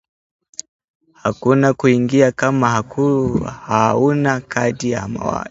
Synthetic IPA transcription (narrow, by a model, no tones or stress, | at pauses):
hakunakuiŋɡiakamahakʰuhaunakatija̰ma̰wa̰i